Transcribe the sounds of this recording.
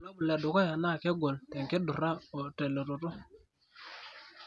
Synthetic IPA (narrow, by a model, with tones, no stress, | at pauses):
lo˦bu˨lɛ˨du˨ka˦ja˨na˦˨ke˦ɡo˨ltɛ˨ŋke˦du˨ɾa˦o˨te˨lo˨to˨to˦